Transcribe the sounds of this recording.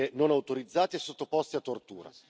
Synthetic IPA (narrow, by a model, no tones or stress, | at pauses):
enonawt̪oɾid̪zːaːt̪eesːot̪ːopɔst̪iat̪ːort̪ṵːɾa̰